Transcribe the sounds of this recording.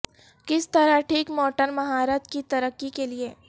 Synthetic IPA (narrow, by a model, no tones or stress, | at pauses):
kɪst̪ɐɾaʈʰiːkmɔːʈəɾmɐɦaːɾət̪kit̪ɐɾəkːikelieː